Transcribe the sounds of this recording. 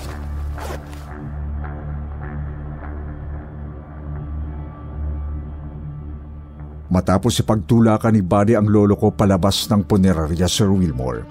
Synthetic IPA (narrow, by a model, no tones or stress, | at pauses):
mɐt̪aːposipɐɡ̚t̪uːlaːkɐnibaːd̪iʔɐŋlo̞ːloko̞pɐlɐbasnɐŋpʊnɛɾaɾjasɛɹwilmo̰ɹ